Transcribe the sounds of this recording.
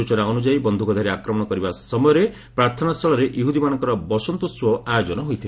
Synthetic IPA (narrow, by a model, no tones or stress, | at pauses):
ut͡ʃɔnaɔnud͡ʒaibɔnd̪ʱukɔd̪ʱaɾeakɾɔmɔɽ̃ɔkɔɾibasɔmɔjɔɾe | pɾaɾt̪ʰɔnast̪ʰɔɭɔɾeʔjuɦud̪imanɔŋkɔɾɔbɔsɔnt̪uswɔajod͡ʒɔnɔɦojt̪ʰil